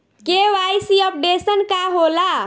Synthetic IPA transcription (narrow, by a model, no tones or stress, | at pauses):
keʋajsiəp̚ɖesənkaɦola